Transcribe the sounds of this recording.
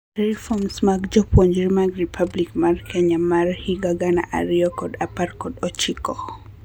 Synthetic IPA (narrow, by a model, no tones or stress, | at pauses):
ɾifɔmsmakd͡ʒɔpwɔnd͡ʒiɾimaɡɾipʰablikmaɾkʰɛɲamaɾhiɡaɡana̰ʔa̰ɾiɔkɔdapaɾkɔdɔt͡ʃikɔ